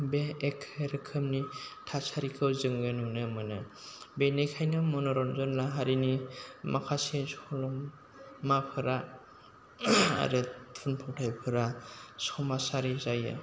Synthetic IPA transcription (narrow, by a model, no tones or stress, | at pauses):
beːkʰːɾɯkʰɯmnitʰasaɾikʰɯwzɯŋɡenunɯmɯnɯ | benejkʰajnɯmɔnɔɾɔnzɔnlaɦaɾinimʔakʰasesɔlɔmː | apʰɯɾa | a̰ɾɯtʰunpʰɔwtʰajpʰɯɾasɔmasaɾizajɯ̰